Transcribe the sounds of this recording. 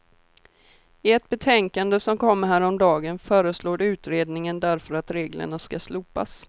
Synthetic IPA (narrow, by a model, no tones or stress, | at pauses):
ɪɛt̪̚bɛt̪ʰɛŋkand̪əsɔmkʰɔmːəɦæːɾɔmd̪ɑːɡənfœːɾəsloːd̪ʉ̟ːt̪ɾeːd̪nɪŋənd̪æɾfœɾat̪ɾeːɡlə̰ɳaskasluːpa̰s